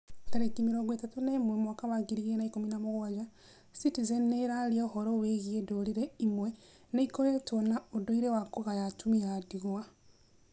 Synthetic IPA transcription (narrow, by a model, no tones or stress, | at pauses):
taɾekimiɾoːŋɡwetatunemwemwakawaɡiɾiɣenaikominamoɣwad͡ʒa | sitizɛnːeɾaɾiaohɔɾɔweɣiedoɾiɾeimwɛ | neikojetɔnaodoiɾewakoɣajatumiadiɣwa